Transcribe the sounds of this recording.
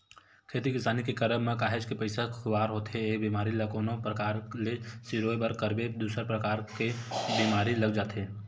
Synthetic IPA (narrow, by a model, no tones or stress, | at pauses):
kʰeːt̪ikɪsaːnikekəɾəmmẽkaːɦed͡ʒkepəɪsakʰʊaːɾɦoːt̪ɦeeːk̚biːmaːɾilɐkonopɾəkaːɾlesiɾoːebəɾkəɾbed̪uːsəɾpɾəkaːɾkebiːmaːɾilɐɡd͡ʒaːt̪ɦeː